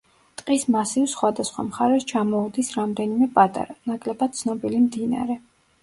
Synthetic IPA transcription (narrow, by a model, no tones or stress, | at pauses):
t̪ʼqʼismasivsχwad̪asχwa̰mχaɾɛst͡ʃʰamɔud̪isɾamd̪ɛnimɛpʼat̪ʼa̰ɾanakʼlɛbad̪̚t̪sʰnɔbilimd̪ina̰ɾɛ